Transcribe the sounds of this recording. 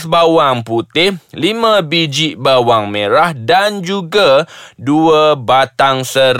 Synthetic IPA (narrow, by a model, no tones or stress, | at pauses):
sbawaŋput̪ɪhlimãbid͡ʒiʔbawaŋmẽɾahdand͡ʒuɡaduəbat̪aŋsəɾ